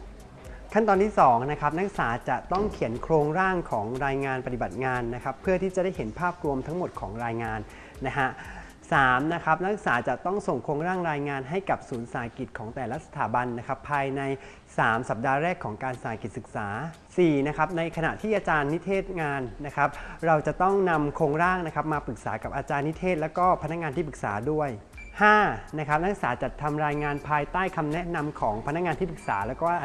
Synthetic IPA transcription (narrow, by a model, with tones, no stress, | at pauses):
kʰa˥˩nt̪ɔː˧nt̪ʰiː˥˩sɔː˩˦ŋna˦˥kʰa˦˥p̚na˦˥k̚saː˩˦t͡ɕa˨˩t̪ɔ˥˩ŋkʰi˨˩˦ənkʰɾoː˧ŋɾaː˥˩ŋkʰɔː˩˦ŋɾaː˧jŋaː˧npa˧t̪i˨˩ba˨˩t̪̚ŋaː˧nːa˦˥kʰa˦˥pʰːɯ˥˩ɐt̪ʰiː˥˩t͡ɕa˨˩da˥˩jɦe˩˦npʰaː˥˩p̚ɾu˧əmt̪ʰa˦˥ŋmo˨˩t̪̚kʰɔː˩˦ŋɾaː˧jŋaː˧nː | a˦˥kʰa˦˥ʔ | saː˩˦mna˦˥kʰa˦˥p̚na˦˥k̚saː˩˦t͡ɕa˨˩t̪ɔ˥˩ŋso˨˩ŋkʰɾoː˧ŋɾaː˥˩ŋɾaː˧jŋaː˧nɦa˥˩jka˨˩p̚suː˩˦nsa˧˩a˦ki˨˩t̪̚kʰɔː˩˦ŋt̪ɛː˨˩la˦˥sa˧t̪ʰaː˩˦ba˧nːa˦˥kʰa˦˥pʰːaː˧jna˧j | saː˩˦msa˨˩p̚daː˧ɾɛː˥˩kʰːɔː˩˦ŋkaː˧nsa˨˩a˨˦ki˨˩sɯ˨˩k̚saː˩˦ | siː˨˩na˦˥kʰa˦˥p̚na˧jkʰa˧na̰˨˩ʔt̪ʰiː˥˩ʔaː˧t͡ɕaː˧nːi˦˥t̪ʰeː˥˩t̪̚ŋaː˧nːa˦˥kʰa˦˥p̚ɾa˧wt͡ɕa˨˩ʔt̪ɔ˥˩ŋna˧mkʰoː˧ŋɾaː˥˩ŋna˦˥kʰa˦˥p̚maː˧pɯ˨˩k̚saː˩˦ka˨˩p̚ʔaː˧t͡ɕaː˧nːi˦˥t̪ʰeː˥˩t̪̚lɛː˦˥wkɔː˥˩pʰa˧na˦˥k̚ŋaː˧t̪ʰiː˥˩p̬ɯ˨˩k̚saː˩˦du˥˩əj | haː˥˩na˦˥kʰa˦˥p̚la˦˥saː˩˦t͡ɕa˨˩t̪ʰːa˧mɾaː˧jŋaː˧npʰaː˧jt̪aː˥˩jkʰa˧mnɛ˦˥na˧mkʰɔː˩˦ŋpʰa˧na˦˥k̚ŋaː˧nt̪ʰiː˥˩pɯ˨˩k̚sa̰ː˩˦lɛː˦˥wkɔː˥˩